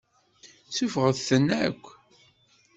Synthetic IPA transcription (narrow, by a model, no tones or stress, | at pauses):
t͡sːufʁəðθənːækʷː